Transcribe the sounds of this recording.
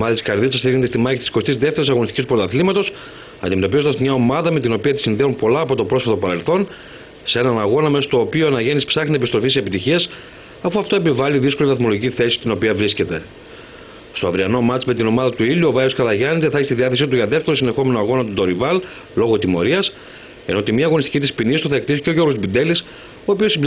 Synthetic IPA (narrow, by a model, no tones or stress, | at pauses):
omɐðɐt̪i̥skɐɾðisɐst̪iɣnt̪ist̪imɐçit̪isko̞st̪izðe̞ft̪eɾisɐɣonist̪icist̪upot̪ɐθlimɐt̪o̞s | ɐ̰nd̪ime̞t̪oizo̞nd̪ɐzmɲɐo̞mɐðɐme̞t̪ino̞piɐt̪i̥sinðeunpo̞lɐːpo̞t̪o̞pɾo̞sfet̪opɐɾe̞lθo̞n | see̞nɐnɐɣo̞nɐme̞sot̪o̞ːpioɐnɐʝe̞nispsɐxnie̞pist̪ɾo̞fisiepit̪içiɐs | ɐfuɐft̪oe̞pivɐliðisko̞livɐθmo̞lo̞ʝiciθe̞si̥st̪ino̞piɐvɾisce̞t̪e̞ | st̪oɐvɾiɐno̞mɐt͡sme̞t̪ino̞mɐðɐt̪uiluo̞vɐjoskɐðɐʝɐnizðɐθɐçist̪iðiɐθe̞sit̪̬uʝɐðe̞ft̪eɾosine̞xo̞me̞noɐɣo̞nɐt̪ut̪o̞ɾivɐl | lo̞ɣot̪imo̞̰ɾiɐs | e̞not̪imɲɐːɣo̞nist̪icit̪ispinist̪uθɐekt̪isi̥ceʝo̞ɾɣobind̪e̞lis | oːpio̞sib